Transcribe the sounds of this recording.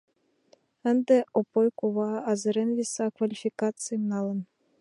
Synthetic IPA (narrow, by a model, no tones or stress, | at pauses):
ə̆nd̪ĕopojkuβɑɑzɤ̆ɾenvʲisɑkvalʲifʲikɑt̪t͡sɨjɤmnɑlˠɤ̆n